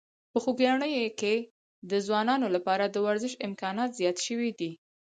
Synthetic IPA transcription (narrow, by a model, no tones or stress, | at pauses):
pəxuɡjɑɳəjoke | d̪əzwɑnɑnolapɑɾad̪əwaɾzɪʃɪmkɑnɑt̪zjɑt̪ʃəwid̪i